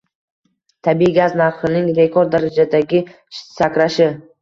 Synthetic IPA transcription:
t̪ʰabiɡʲaznaɾχɨnɪŋɾe̞kʰoɾd̪aɾad͡ʒad̪aɡʲɪ | sakʲɾaʃɪ

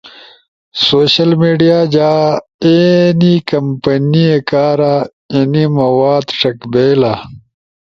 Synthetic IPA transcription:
soːɕɐlmeːɖijaːd͡ʑaːenikɐmpɐniekaːɾa | enimɐwaːd̪ʂɐkbeːla

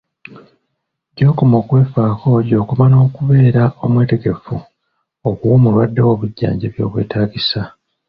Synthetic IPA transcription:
ɟo̞ːkomo̞ːkwe̞ːfaːko̞ɟo̞ːkumano̞ːkuβe̞ːɾao̞mwe̞ːte̞ɡe̞fu | okuwoːmulwadːewo̞βuɟːa̰ːɲɟeβjo̞̰ːβwe̞̰ːtaːɟisa

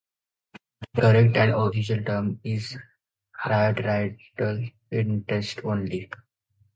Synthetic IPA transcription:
pɾəɾek̚ʈæ̃ɳɖofiʃ̬əlʈəɾmiz | haɖɾaɪʈəl | ɪ̃ɳʈesʈõːnli

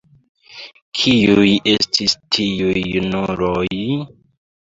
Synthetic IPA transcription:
kʰijuje̞stʰistʰiujunuɾoj

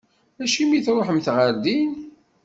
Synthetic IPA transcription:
æʃimiθɾˤoħəmθʁəɾd̪in

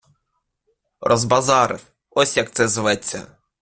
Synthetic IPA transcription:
rʔɔzbɐzɑɾɪ̰f | ɔsʲjɐkt̪sɛzɪʋɛt͡sʲːɐ̰

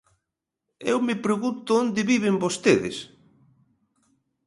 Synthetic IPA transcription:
ḛwmɪpɾeɣunt̪ʊond̪ɪβiβ̞ɪmbost̪eðɪ̰s

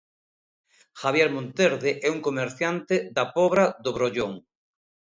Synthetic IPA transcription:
xaβjɛɾmõnt̪eɾðeʔɛuŋkomeɾθjant̪eðapɔβɾaðoβɾoʎoŋ

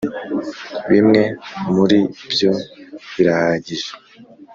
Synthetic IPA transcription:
βimŋe̞muɾibjo̞βiɾahaɟiʒe

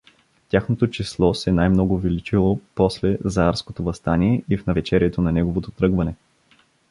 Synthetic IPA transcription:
ft̪ʲjaxnot̪ot͡ʃislˠɔsɛnajmnɔɡʊvilit͡ʃilˠopɔslɛzɐaɾskot̪ovɐst̪aniɛʔifnɐvɛt͡ʃɛɾjɛt̪onɐnɛɡovot̪ot̪ɾɤɡvɐnɛ

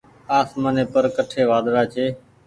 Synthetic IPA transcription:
aːsmaːneːpəɾkəʈʰeːʋaːd̪ɾaːt͡ʃʰeː

